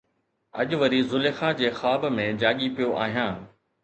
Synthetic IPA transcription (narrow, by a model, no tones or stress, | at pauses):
ɐ̰ʄʊʋɐɾizʊlexãd͡ʑeːxaːbmẽd͡ʑaːɠipijoʔa̰ːɦijãː